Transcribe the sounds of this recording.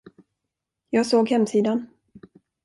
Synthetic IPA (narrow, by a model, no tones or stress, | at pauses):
jɑːɡsoːɡhɛmsiːd̪an